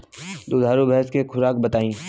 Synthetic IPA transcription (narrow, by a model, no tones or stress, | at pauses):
d̪oːd̪ʱaːɾubʱɛɦskekʰʊɾaːkbɐt̪aːĩː